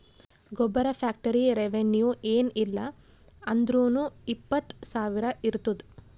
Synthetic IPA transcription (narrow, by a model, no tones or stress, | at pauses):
ɡɔbːɐɾɐpʰaːk̚ʈɐɾiɾeʋenjuʔeːnilːɐ | ɐnd̪ɾuːnuipːɐt̪ːsaːʋiɾɐiɾt̪ud̪